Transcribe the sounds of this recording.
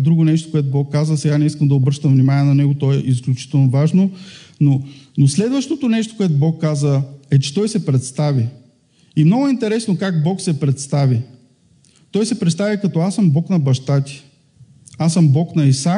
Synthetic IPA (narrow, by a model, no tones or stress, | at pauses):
d̪ɾuɡʊnɛʃt̪o̥koɛt̪ʊbɔkːazəsɛɡanɛiskəmd̪ɐobɾəɾʃt̪əmvnimanʲiɛnɐnɛɡot̪ɔɛʔis̬klʲut͡ʃi̥t̪ɛlˠnovaʒnononoslɛd̪vəʃt̪ot̪onɛʃt̪o̥koʊɛt̪ʊbɔkːazəɛt͡ʃɛ̥t̪ɔjsɛpɾɛt̪st̪avʲi | imnɔɡʊint̪ɛɾɛsnokaɡbɔksɛpɾɛt̪st̪avʲi | t̪ɔjsɛpɾɛt̪st̪avʲikɐt̪ɔasəmbɔknɐbɐʃt̪at̪ʲi̥ | asəmbɔknɐisa